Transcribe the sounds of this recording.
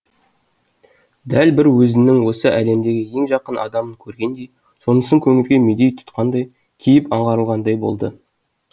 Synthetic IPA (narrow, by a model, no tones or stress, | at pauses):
d̪ælbɪɾwɵzɪnɪŋwo̞səʔæle̞md̪e̞ɡʲɪje̞ŋʒɑqənʔɑ̰d̪ɑməŋkʲʰɵɾɡʲe̞nd̪e̞j | so̞nəsəŋkʲʰɵŋɪlɡʲe̞med̪e̞jt̪ʰʊ̥t̪qɑnd̪ɑj | kʲʰijɪpɑɴʁɑɾəlˠʁɑnd̪ɑjbo̞̰lˠd̪ə